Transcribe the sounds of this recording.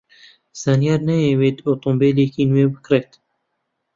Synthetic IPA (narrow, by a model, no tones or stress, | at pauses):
sanjɑːɾnɛjeweːt̪ot̪ombeːleːkiːnweːbɨkɾet̪